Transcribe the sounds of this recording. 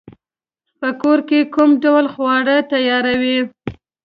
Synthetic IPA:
pəkoɾkekumɖawlxwɑɽət̪ajɑɾawi

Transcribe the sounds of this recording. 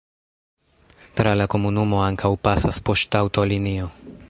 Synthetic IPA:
t̪ɾalakomunumoaŋkʰawpasaspoʃt̪awt̪olinio

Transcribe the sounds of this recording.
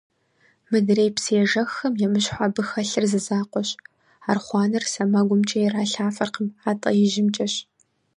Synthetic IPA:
mɨdreːjpsɨjɛʒɐxɐmjɛmɨɕħʷabɨxɐɬɨrzɨzaːqʷɔɕ | aːrχʷɑːnɐrsɐmɐɡʷʊmt͡ʃʼɐjɛraːɬaːfɐrqʰəmaːtʼɐ̰jɪʒɪmt͡ʃʼɐɕ

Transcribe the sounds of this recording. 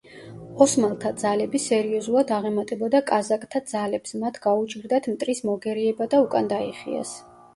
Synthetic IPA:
ɔsmalˠt̪ʰad̪zalɛbisɛɾiɔzulˠad̪aʁɛmat̪ʼɛbɔd̪akʼazakʼt̪ʰad̪zalɛpsmat̪ʰɡaut͡ʃʼɡɾd̪at̪ʰmt̪ʼɾismɔɡɛɾiɛbad̪aukʼand̪aiχḭa̰s

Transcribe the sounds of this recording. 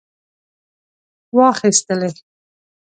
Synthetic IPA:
wɑχist̪əle

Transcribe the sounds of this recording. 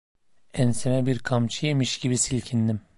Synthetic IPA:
ɛnsemɛbiɾkʰamt͡ʃʰɯjemiʃɟibisilʲcʰind̪im

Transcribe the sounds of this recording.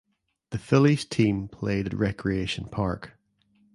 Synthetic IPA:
ðəfɪlˠiz̥tʰĩmpʰl̥eːdə̰ʔɹɛkʰɹieʃə̃npʰaɹk

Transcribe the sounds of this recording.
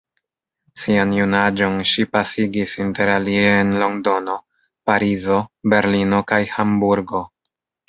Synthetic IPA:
sianjunad͡ʒo̞nʃipasiɡisinte̞ɾalieːnlo̞ŋdo̞no̞ | paɾizo̞be̞ɾlino̞kajhambuɾɡo̞

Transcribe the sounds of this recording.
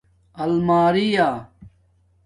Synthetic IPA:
ɐlmaːɾiːjaː

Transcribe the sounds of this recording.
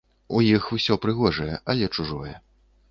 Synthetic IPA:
ujixusʲɔpɾɨɣɔʐɐjɛʔɐlʲɛt͡ʂuʐɔjɛ

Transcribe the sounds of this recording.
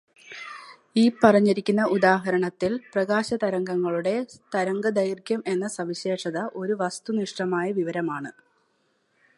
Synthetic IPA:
iːpɐrɐɲːiɾikʲːunːɐʔud̪aːɦɐɾɐɳɐt̪ːilprɐɣaːɕɐt̪ɐɾɐŋɡɐŋːɐɭuɽe̞t̪ɐɾɐŋɡɐd̪ɐjrkjɐme̞nːɐsɐʋiɕe̞ːʂɐðɐʔo̞ɾuʋɐst̪uniʂʈɐmaːjɐʋiʋɐɾɐmaːɳɨ

